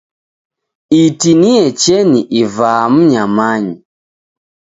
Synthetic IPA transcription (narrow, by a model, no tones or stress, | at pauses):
itiniɛt͡ʃɛniʔivaːm̩ɲamaɲi